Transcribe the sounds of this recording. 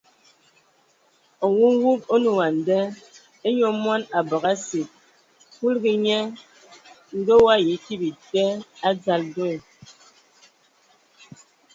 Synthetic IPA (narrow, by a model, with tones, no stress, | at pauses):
ɔ˨wu˦ŋ˦wu˦po˦nu˨wa˨n̩˨dɛ˦ | e˦ɲo˦mwa˦na˨bɔ˨ɣa˦si˨t̚ | ku˦lɡi˨ɲɛ˦ | ŋ̩˦ɡə˦wa˦ji˨˦ti˦bi˨tɛ˦a˦d͡za˨ldo˦˨